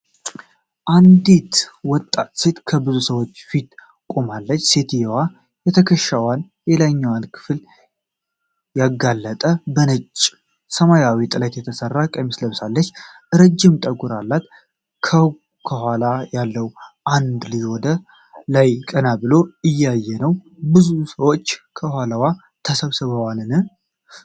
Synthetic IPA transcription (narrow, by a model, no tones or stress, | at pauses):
ʔand̪it̪wɔt̪ʼːat̪se̞t̪kʰəbɨzusəwo̞t͡ʃːfit̪ | kʼomalːət͡ʃːse̞t̪jɛwa | jɛt̪ʰəkʰəʃːawan | jelaɲːawalkʰɨ̥fl | jaɡalːət̪ʼəbənɨt͡ʃʼː | səmajawit̪ʼɨlət̪jɛt̪ʰəsərːakʼəjmːisləβsalːət͡ʃː | ɨɾəd͡ʒːɪmt̪ʼəɡuɾalːat̪ | kʰə | kʰəhʷalajalːəwʔand̪liwɔd̪ə | lajkʼənabɨlo̞ɨjːajːɛnəwbɨzusəwo̞t͡ʃːkʰəhʷaləwa | t̪ʰəsəβsɨβəwalɨnɨ